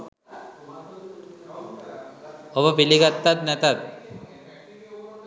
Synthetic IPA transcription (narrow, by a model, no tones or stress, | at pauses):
obəpiliɡat̪ːat̪nɛt̪at̪̚